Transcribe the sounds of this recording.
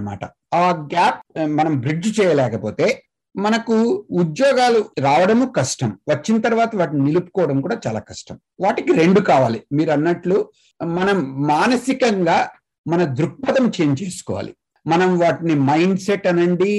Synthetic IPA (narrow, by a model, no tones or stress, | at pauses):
ma̰ːʈɐ | aːɡaːp̚mɐnɐmbɾid͡ʒt͡ʃɛːjɐlɛːkɐpo̞ːt̪e̞ː | mɐnɐkuːd̪jɔːɡaːluɾaːʋɐɽɐmukɐʂʈɐmʋɐt͡ʃːinɐt̪ɐɾʋaːt̪ɐʋaːʈininilupu̥kɔːʋɐɽɐmkuːɽaːt͡ʃaːla̰ːkɐʂʈɐm | ʋaːʈikiɾe̞ɳɖukaːʋaːlimiːɾuɐnːɐʈlu | mɐnɐmːaːnɐsikɐŋɡaː | mɐnɐd̪ɾuk̚pɐt̪ɐmt͡ʃe̞ːɲt͡ʃeːsu̥kɔːʋa̰ːlḭ | mɐnɐmʋaːʈinimɐjɳɖseʈːɐnɐɳɖi